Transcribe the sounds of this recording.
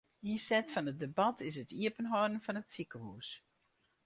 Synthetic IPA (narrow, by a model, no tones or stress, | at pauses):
isɛtfɑnət̚debɑtʰɪsətʰiəpənɦɔdən̩fɑnətsikəɦuːs